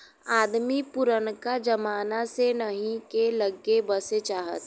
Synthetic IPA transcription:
aːd̪mipʊɾənkad͡ʒɐmaːnasenəɦĩkeləɡebəset͡ʃaːɦə̰t̪

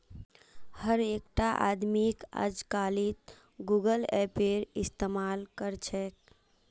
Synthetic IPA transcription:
həɾekʈaʔa̰d̪mikə̰d͡ʒkalit̪̚ | ɡuɡəlɛpeɾist̪emalkəɾt͡ʃʰɛk

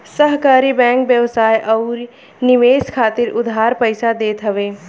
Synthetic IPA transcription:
səɦkaːɾibɛ̃ːŋkbjəʋsaːjʔɔːɾ | nɪʋeːskʰaːt̪ɪɾʊd̪ʱɦaːɾpəɪsad̪eːt̪ɦəʋeː

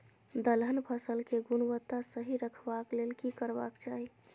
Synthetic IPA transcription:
d̪əlɦənpʰəsəlkeɡunʋət̪ːasəɦiɾəkʰbaklelkikəɾba̰kt͡ʃaɦi

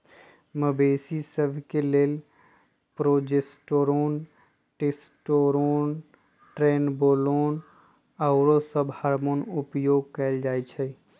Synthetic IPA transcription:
məbeːsisəbʱkeleːl | pɾoːd͡ʒesʈoɾoːn | ʈesʈoːɾoːn | ʈɾeːnboːloːn | aʊɾosəbhaːɾmonʊpjoːɡ̚kəɪld͡ʒaːet͡ʃʰɛ

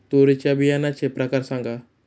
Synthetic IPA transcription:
t̪oɾet͡ʃabijanat͡ʃepɾɐkaɾsãŋɡa

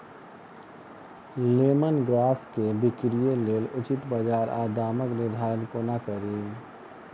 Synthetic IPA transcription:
leːmənɡɾaːskebɪkɾijeleːlʊt͡ʃɪt̪bad͡ʒaːɾa̰ːd̪aːməknɪɾd̪ʱaːɾənkonakəɾeː

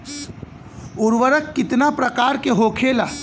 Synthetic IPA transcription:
ʊɾʋəɾəkːɪt̪napɾɐkaːɾkeɦoːkʰeːlaː

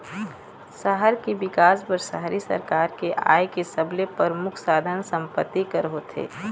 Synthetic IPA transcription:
səɦəɾkebɪkaːspəɾsə̰ɦɾisə̰ɾkaːɾkeʔa̰ːjkesəblepəɾmʊkʰsaːd̪ʱənsə̃mpət̪ːikəɾɦoːt̪ʰḛː

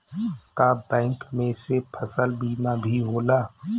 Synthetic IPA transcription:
kabɛ̃ːŋkmẽsepʰəsəlbiːmabʱiɦoːlaː

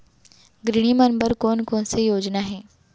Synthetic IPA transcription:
ɡɾɪɳ̃imɐnbəɾkoːnkoːnsejoːd͡ʒnaɦɛ̃ː

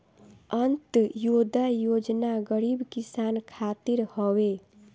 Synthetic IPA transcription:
ənt̪jod̪ajod͡ʒnaɡəɾibkisankʰat̪iɾhɔwe

